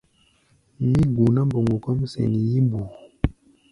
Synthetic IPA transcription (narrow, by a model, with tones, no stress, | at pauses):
mi˦ɡu˨na˦mbo˨ŋɡu˨kɔ˦m˦sɛ̰˨ni˨ji˦mbu˨